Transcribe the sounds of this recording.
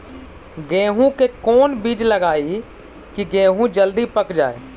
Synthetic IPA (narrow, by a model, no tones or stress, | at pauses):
ɡẽːɦũkekɔːnbiːd͡ʒləɡaːi | kiɡẽːɦũd͡ʒəld̪ipəkd͡ʒa̰ːeː